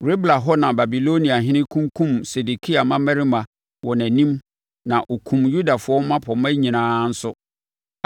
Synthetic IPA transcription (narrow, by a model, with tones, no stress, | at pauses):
ɾe˦bla˨ɦɔ˦nã˨ba˨bi˨lo˦nĩ˨a˨ɦɪ̃˦nɪ̃˦kʰũ˦ŋkʰũ˦˨mse˨du˨kʰi˦a˨mã˦mɛ˦ɾi˦mã˨ | wɔ˨næ̃˨nĩ˦m | nã˨ʔo˨kʰũ˨mju˦da˨fʊ˦ɔ˦m˦mã˦pʰɔ˨mɛ̃˦ɲĩ˨nãː˦n̩˦sʊ˦